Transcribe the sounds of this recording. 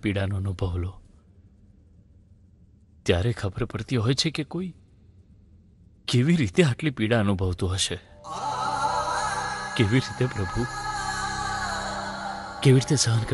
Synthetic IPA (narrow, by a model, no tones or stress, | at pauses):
piɽanoənubʱəʋlo | t̪jaɾekʰəbəɾpəɾt̪iɦɔjt͡ʃʰekekoi | keʋiɾit̪eaʈlipiɽaənubʱəʋt̪ũɦəʃe | keʋiɾit̪epɾəbʱu | keʋiɾit̪esəɦənkə